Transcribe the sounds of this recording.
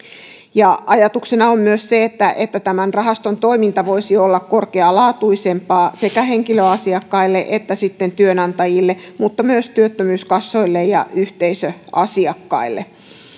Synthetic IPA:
jɑɑjɑt̪uksenɑommyøsseet̪ːæʔet̪ːæt̪æmænrɑɦɑst̪ont̪o̞imint̪ɑʋo̞isiolːɑkkorkeɑlɑːt̪uisempɑːse̞kæhe̞ŋkiløɑsiɑkːɑilːeʔet̪ːæsit̪ːent̪yønɑnt̪ɑjilːemut̪ːɑmyøst̪yøt̪ːømyːskɑsːoilːejjɑ̰yht̪eisøɑsiɑkːɑ̰ilːḛ

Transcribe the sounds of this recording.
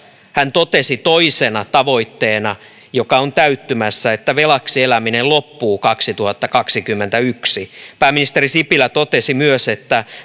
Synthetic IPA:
hænt̪ot̪esit̪oisenɑt̪ɑʋo̞it̪ːeːnɑ | jokɑont̪æyt̪ːymæsːæet̪ːæʋelɑksielæminellopːuːkɑksit̪uhɑt̪ːɑkɑksikymːent̪æyksipæːmːinist̪erisipilæt̪ot̪esimyøset̪ːæ

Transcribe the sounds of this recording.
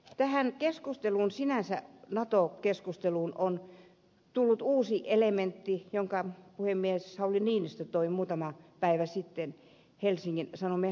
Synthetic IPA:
t̪æhænkeskust̪eluːnsinæsæ̰nɑt̪okeskust̪eluːnon | t̪ulːut̪uːsiʔelement̪ːijoŋkɑpuhemːieshæoliniːnist̪æt̪oimuːt̪ɑmɑpæiʋæsit̪ːen | helsiŋkinsɑnome

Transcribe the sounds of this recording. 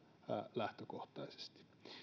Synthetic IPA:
æ̰læht̪økoht̪ɑise̥st̪i̥

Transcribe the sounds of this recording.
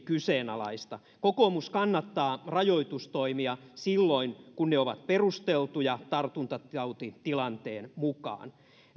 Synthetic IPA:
kyseːnɑlɑ̰ist̪ɑ | kokomuskɑnːɑt̪ːɑːrɑjoit̪ust̪oimiɑsilːoinkunneoʋɑ̰t̪perust̪elt̪ujɑt̪ɑrt̪unt̪ɑt̪ɑut̪it̪ilɑnt̪eːnmukɑ̰ːn

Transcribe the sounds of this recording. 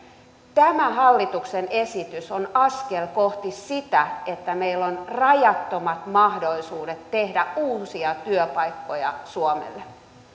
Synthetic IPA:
t̪æmæɦɑlːit̪uksenesit̪ysonɑskelkoht̪issit̪æet̪ːæmeilːonrɑjɑt̪ːomɑt̪mɑhdoisuːdet̪tehdæuːsiɑt̪yøpɑikːojɑ̰suomḛlːe

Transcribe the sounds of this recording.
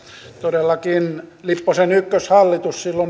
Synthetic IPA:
t̪odelːɑkinlipːosenykːøshɑlːit̪ussilːon

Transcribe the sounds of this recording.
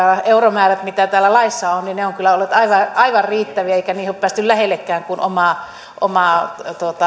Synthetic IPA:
ɑeuromæːræt̪mit̪æt̪æːlːælɑisːɑonnineoŋkylːæolːet̪ɑiʋɑɑiʋɑrriːt̪ːæʋiæeikæniːhoppæːst̪yllæhelːekːæːŋkunʔo̰mɑˑ | ʔo̰mɑˑt̪uot̪ɑ

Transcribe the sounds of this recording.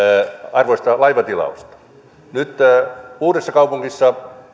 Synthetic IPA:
ɑrʋoist̪ɑlɑiʋɑt̪ilɑ̰ust̪ɑ̥ | nyt̪uːdesːɑkɑupuŋɡisːɑ

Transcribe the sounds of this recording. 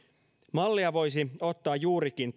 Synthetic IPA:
mɑlːiɑʋo̞jsio̞t̪ːɑːjjuːɾikin

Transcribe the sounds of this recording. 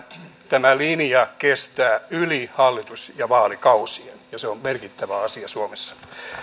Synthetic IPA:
t̪æmælinijɑkest̪æːylihɑlːit̪usjɑʋɑːlikɑusienjɑseommerkit̪ːæʋæɑsiɑsuomesːɑ̥

